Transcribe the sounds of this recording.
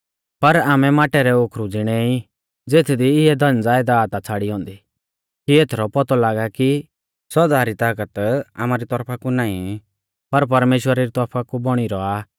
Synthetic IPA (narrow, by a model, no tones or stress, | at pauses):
pɐɾaːmɛmaːʈɛɾɛokʰɾud͡zɪɽ̃ɛi | d͡zeːt̪ʰd̪iɪɛd̪ɐ̃nd͡zaːɪd̪aːt̪at͡sʰaːɽiɦɔ̃ːnd̪i | kieːt̪ʰɾɔpɔt̪ɔlaːɡaki | sɔd̪aːɾit̪aːkət̪a̰ːmaɾit̪ɔɾpʰakunaːĩ | pɐɾp̬ɐɾmeːʃwəɾaɾit̪ɔɾpʰakubɔɽ̃iɾɔaː